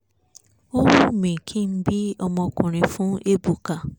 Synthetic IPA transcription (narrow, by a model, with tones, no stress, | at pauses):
o˦wu˦˨mẽ˨kʰĩ˦˨n̩˦bi˦ɔ˧mɔ̃˧kũ˨ɾ̃ĩ˨fũ˦e˦bu˨ka˨